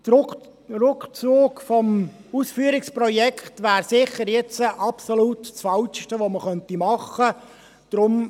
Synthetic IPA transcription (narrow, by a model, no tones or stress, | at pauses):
rʊkt͡suːkfɔmusfyːəɾɪksprɔjɛkχtʋæːɾsɪχəɾjɛt͡səʔɑpsolutsfɑltʃtəʋoməχœntimɑχə | d̪̥ɾʊm